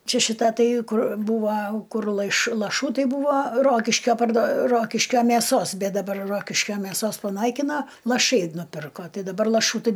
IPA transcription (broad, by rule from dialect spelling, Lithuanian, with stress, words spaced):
ˈt͡ʃʲɛ ʃʲɪˈtɐ ˈtɐɪ ˈkʊr ˈbuːʋɐ ˈkʊr lˠɐɪʃ lˠɐˈʃuː ˈtɐɪ ˈbuːʋɐ ˈroːkʲɪʃʲkʲoː pɐrdoː ˈroːkʲɪʃʲkʲoː mʲeːˈsoːs ˈbʲɛt dɐˈbɐr ˈroːkʲɪʃʲkʲoː mʲeːˈsoːs pɐˈnɐɪkʲɪnoː lˠɐˈʃɐɪ nʊˈpʲɪrkoː ˈtɐɪ dɐˈbɐr lˠɐˈʃuː tɐɪ